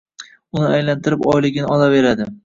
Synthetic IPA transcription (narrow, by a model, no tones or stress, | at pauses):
ʊnɪajlant̪ʰɪɾɪpɒjlɪɡʲɪnɪɒlave̞ɾad̪ɪ